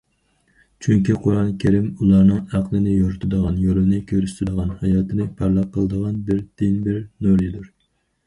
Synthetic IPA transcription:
t͡ʃʰyŋkʲiqʰoɾɑnkʲʰeɾɪmulˠɑɾnɨŋæqlˠɨnɨjoɾt̪ʰɨd̪əʁɑnjolɪnɪkʲʰøɾyst̪ɪd̪əʁɑnhɑjɑːt̪ʰɨnɨpʰæɾlˠɑp̚qʰːəlˠəd̪əʁɑnbɪɾd̪̥ɪnbɪɾnoɾjid̪uɾ

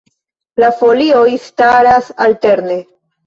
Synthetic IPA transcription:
lafo̞lio̞jstaɾasalte̞ɾne̞

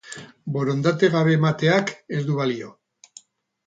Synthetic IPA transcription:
bo̞ɾo̞nd̪at̪e̞ɣaβe̞ːmat̪e̞ake̞zd̪uβalio̞

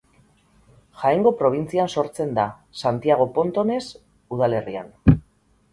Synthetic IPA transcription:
ʝajŋɡo̞pɾo̞β̞int͡sianso̞ɾt͡se̞nd̪a | sant̪iaɣ̞o̞po̞nt̪o̞ne̞s | uðale̞ria̰n

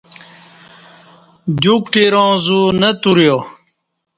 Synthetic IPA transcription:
d͡ʑukʈiɾõːzunət̪uɾjo

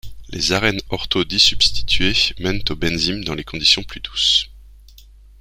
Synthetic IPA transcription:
lʔḛzaʁɛnɔʁt̪od̪isybst̪i̥t̪ɥemɛnt̪obɛnzimd̪ɑ̃lekɔ̃d̪isjɔ̃plyd̪us

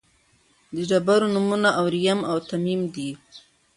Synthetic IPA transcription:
d̪əɖabaɾonumunaʔawɾijamawt̪amimd̪i

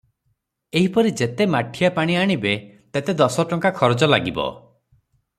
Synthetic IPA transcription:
eɦipɔɾid͡ʒet̪emaʈʰijapaɽ̃iaɽ̃ibe | t̪et̪ed̪ɔsɔʈɔŋkakʰɔɾɔd͡ʒɔla̰ɡibɔ̰

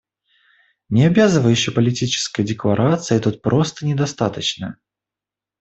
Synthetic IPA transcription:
nʲɪɐbʲazɨvəjʉɕːɪjpəlʲɪtʲit͡ɕɪ̥skəjdʲɪklˠɐɾʔat̪sɨjt̪ut̪̚pɾʔo̞st̪ənʲɪd̪ɐst̪at̪ət͡ɕnə̰

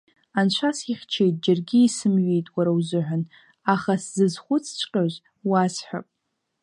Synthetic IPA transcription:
ant͡ɕʷʰasiχʲt͡ʃʰejtʼd͡ʒarɡʲiisɨmɥijtʼwaɾawzɨħʷᶣan | aχaszɨzχʷʊt͡sʰt͡ʃʷʰʼqʲʼaʒʷ | wazħʷᶣa̰pʼ

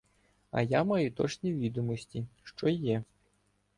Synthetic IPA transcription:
ɐ̰jamɑjʊt̪ɔt͡ʃnʲiʋʲid̪ɔmɔsʲtʲiʃt͡ʃɔjɛ

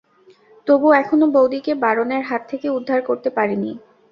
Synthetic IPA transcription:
t̪obuɛkʰonobowd̪ikebaɾoneɾɦat̪ʰːekeud̪ʱːaɾkoɾt̪epaɾini

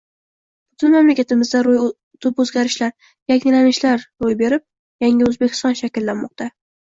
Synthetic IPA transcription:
b̥ʊt̪ʰɪnmamlakʲʰat̪ʰɪmɪzd̪aɾoj | t̪ʰɪpɵzɡʲaɾɪʃlaɾ | jakʲŋʲɪlanɪʃlaɾɾojbe̞ɾɪp̚ | jaŋʲɪɵzbekʲʰɪ̥st̪ɒnʃakʲɪlːanmɒq̚t̪ʰa

